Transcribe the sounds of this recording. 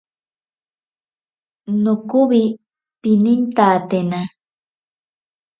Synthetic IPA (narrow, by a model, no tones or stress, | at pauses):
nʊkʊβi | pinint̪aːt̪ena